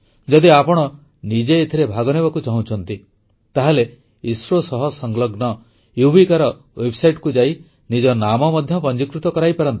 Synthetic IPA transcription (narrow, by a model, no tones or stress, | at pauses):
d͡ʒɔd̪iapɔɽ̃ɔ | nid͡ʒeːt̪ʰiɾebʱaɡɔneβakut͡ʃaɦũt͡ʃʰɔnt̪i | t̪aɦele | isɾosɔɦɔsɔŋɡlɔɡnɔ | jubikaɾɔ | websajʈkud͡ʒai | nid͡ʒɔnamɔmɔd̪ʱjɔpɔnd͡ʒikɾut̪ɔkɔɾajpaɾɔnt̪i̥